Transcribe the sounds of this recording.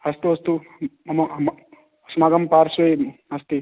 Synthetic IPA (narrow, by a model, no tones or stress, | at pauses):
ɐst̪uɐst̪uɐmɐ | smaːɡɐmpaːɾsʋɐjɐst̪i